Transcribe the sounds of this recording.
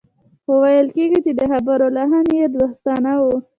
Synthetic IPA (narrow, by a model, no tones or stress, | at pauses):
xowajəlkeɡit͡ʃed̪əxabaɾolaɦanjed̪ɾoxst̪ɑnawu